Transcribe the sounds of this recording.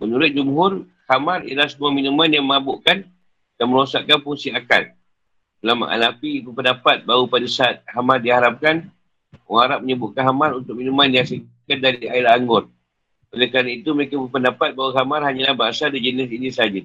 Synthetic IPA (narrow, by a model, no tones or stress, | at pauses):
mənuɾʊt̪̚d͡ʒumɦʊr | hamaɾḭalahsəmuaminumanjaŋməŋabʊʔkan | danməɾosaʔkːanpuŋsiaka̰n̚ | əlama̰ʔa̰napibəpəndapat̪̚baɦupadasat̪̚hamardiɦaɾap̚kan | waɾaʔ̚məɲəbʊʔ̚kanɦamaɾunt̪ʊk̚minumandijaŋsikan̚daɾiailaːŋɡʊr | olekɾanait̪uməɾekabəpəndapat̪̚baɦukamarhaɲalahbaɦasadid͡ʒənɪs̬inisəad͡ʒa